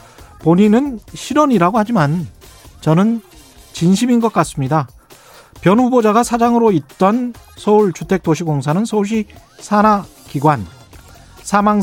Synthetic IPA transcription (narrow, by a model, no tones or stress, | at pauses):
poɲinɯnɕʰiɾʌɲiɾaɡohad͡ʑimant͡ɕʌnɯn | t͡ɕinɕʰiminɡʌk̚k͈as͈ɯmɲida | pjʌnɸubod͡ʑaɡasʰad͡ʑaŋɯɾoit̚t͈ʌnsʰʌuɭt͡ɕutʰe̞k̚t͈oɕʰikoŋs̬ʰanɯnsʰʌuɭɕ̬͈isʰana | kiɡwan | sʰamaŋ